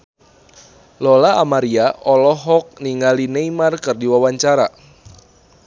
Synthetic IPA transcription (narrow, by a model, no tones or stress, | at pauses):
lɔlaamaɾiaʔɔlɔɦɔk̚niŋɡalinejmarkɨrdiwawaɲt͡ʃaɾa̰